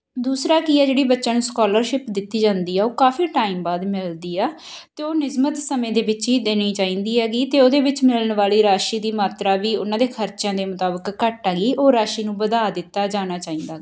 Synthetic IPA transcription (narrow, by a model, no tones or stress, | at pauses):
d̪uːsɾaːkiːɛːd͡ʒeːɽiːbətːʃaːnũːskɔːləɾʃɪpd̪ɪt̪ːiːd͡ʒãːnd̪iːɛːoːkaːfʰiːʈaːiːmbaːd̪mɪld̪iːɛː | t̪eːoːnɪzmət̪səmẽːd̪eːʋɪt͡ʃiːd̪eːñiːt͡ʃaːĩːnd̪iːɛːɡiːt̪eːoːd̪eːʋɪt͡ʃmɪlənʋaːliːɾaːʃiːd̪iːmaːt̪ɾaːʋiːʊnãːd̪eːkʰəɾt͡ʃjãːd̪eːmʊt̪aːbəkːəʈaːɡiːoːɾaːʃiːnũːbəd̪aːd̪ɪt̪ːaːd͡ʒaːñaːt͡ʃaːĩːnd̪aːɡaː